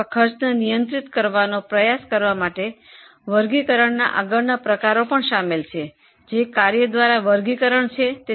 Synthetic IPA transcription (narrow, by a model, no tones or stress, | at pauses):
kʰəɾt͡ʃnənijənt̪ɾit̪kəɾʋanopɾəjaskəɾʋamaʈe | ʋəɾɡikəɾəɳna̰ʔa̰ɡəɭnapɾəkaɾopəɳʃamelt͡ʃʰe | d͡ʒekaɾjəd̪ʋaɾaʋəɾɡikəɾəɳt͡ʃʰet̪e